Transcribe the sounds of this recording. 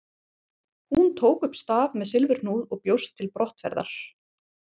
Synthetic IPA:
hunt̪ʰoːwkʏhpst̪aːvmɛðsɪlvʏɾ̥nuːðɔɣpjowst̪ʰːɪlpɾɔht̪vɛ̰ɾða̰ɾ̥

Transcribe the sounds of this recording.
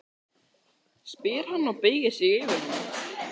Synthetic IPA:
spɪːɾ̥hanːɔɣpeːjɣɪsɪɣɪːvɪɾna

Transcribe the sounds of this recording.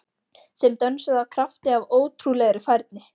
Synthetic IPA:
sɛmt̪œnsaðavkʰɾaft̪ɪavoːwt̪ʰɾulɛɣɾɪfajɾt̪̚nɪ

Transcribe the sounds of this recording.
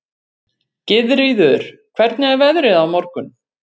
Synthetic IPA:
cɪðɾɪjðʏɾ̥kʰv̥ɛɾt̪nɪɛɾvɛðɾɪðawmɔɾkʏn

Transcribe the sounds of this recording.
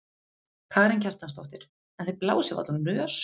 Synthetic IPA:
kʰaːɾɪncʰar̥t̪anst̪ɔwht̪ɪɾ̥ | ɛnθejpla̰ːwsjɛva̰t̪lɔnœːs

